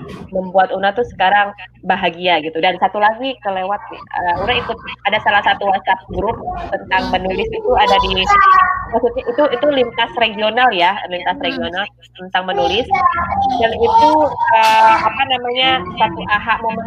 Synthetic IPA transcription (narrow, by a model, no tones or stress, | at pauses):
məmbuat̪unat̪usə̥kaɾaŋbaɦaɡiaɡit̪udansat̪ulaɡikəlewat̪̚əuɾaikʊt̪̚adasalahsat̪uwasap̚ɡɾʊp̚t̪ənt̪aŋmənulɪsit̪uadadi | masut̪̚ɲaʔit̪uit̪ulint̪asreɡionaljalint̪asreɡional | t̪ənt̪aŋmənulɪsdanit̪uəapanamaɲasat̪uʔaɦaʔmamə